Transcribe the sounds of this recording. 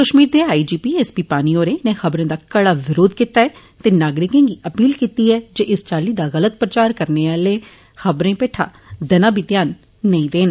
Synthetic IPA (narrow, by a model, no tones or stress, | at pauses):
kəʃmiːɾd̪eaːid͡ʒiːpiːɛːspiːpaːnioːɾẽnẽxəbɾẽːd̪aːkəɽaːʋɪɾoːd̪kɪt̪aːɛː | t̪eːnaːɡɾɪkẽːɡiəpiːlkiːt̪iɛːd͡ʒeːʔɪst͡ʃaːliːd̪aːɣələt̪̚pɾət͡ʃaːɾkəɾneːaːleː | xəbɾẽːpeːʈʰa̰ː | d̪ɐnaːbʱit̪ɪjaːnː | əĩːd̪eːn